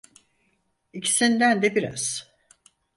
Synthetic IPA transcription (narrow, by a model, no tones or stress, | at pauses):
icʰi̥sind̪ænd̪ɛbiɾa̰z̥